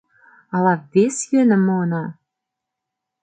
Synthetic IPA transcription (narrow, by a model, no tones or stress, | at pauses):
ɑlɑvesjønɘ̆monɑ